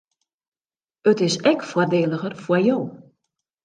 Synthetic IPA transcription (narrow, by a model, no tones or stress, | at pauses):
ətɪsɛkfwɔrdeːlˠəɣərfwəjoː